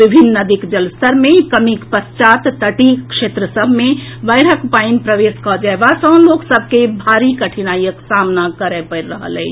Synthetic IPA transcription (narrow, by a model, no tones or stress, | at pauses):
ʋibʱinːəd̪ikd͡ʒəlst̪əɾmẽkəmikpəst͡ʃat̪t̪əʈikʃet̪ɾəsəbʱmẽbəɪɾəkpainpɾəʋeskɔd͡ʒaebasə̃nloksəb̚ʱkebʱaɾikəʈʰinajəksamnakəɾɛpəɾɾəɦə̰lɛ̰ɪt͡ʃʰ